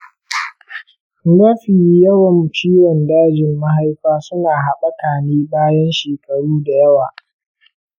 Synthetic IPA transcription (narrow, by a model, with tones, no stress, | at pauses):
ɡɐ˦ɸiː˨jjɐ˦wɐ˨mt͡ʃiː˦ɾɐ˨ndaː˦d͡ʒɪ˨mːa˦ɦa˦jkʷaː˦sʊ˦naː˨ɦa˨ɓɐ˦kaː˨neː˦baː˦jɐ˦nʃeː˨kɐ˨ɽuː˦da˨jɐ˦waː˨